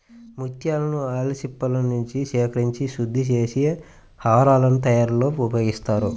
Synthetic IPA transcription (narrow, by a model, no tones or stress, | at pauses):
mut̪ʰjaːlɐnuaːlɐsipːɐlɐnuɲt͡ʃiʃɛːkɐɾiɲt͡ʃiʃud̪ʱːit͡ʃeːsi | haːɾaːlɐnut̪ɐjaːɾlo̞ːupɐɡist̪aːɾu